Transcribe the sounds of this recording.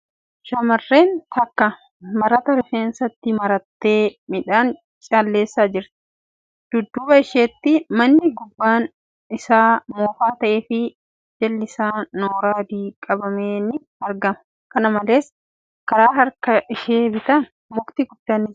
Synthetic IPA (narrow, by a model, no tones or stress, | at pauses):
ʃɐmɐrːe̞ːnt̪ɐkːɐ | mɐɾɐt̪ɐɾɛfeːnsɐt̪ːɪmɐɾɐt̪ːe̞ːmɪᶑaːn | t͡ʃʼaːlːe̞ːsːad͡ʒɪɾt̪ɪ̥ | d̪̥ʊd̪ːʊbɐɪʃeːt̪ːɪmɐnːɪɡʊbːaːn | ɪsaːmoːfaːt̪ɐʔeːfɪ | d͡ʒɛlːɪsaːnoːɾaːd̪iːkʼɐbɐmeːnɪ | ɐɾɡɐmɐ̥ | kɐnɐmɐle̞ːs | kɐɾaːɦɐɾkɐʔɪʃeːbɪt̪ɐn | mʊkt̪iɡʊd̪ːaːnːɪ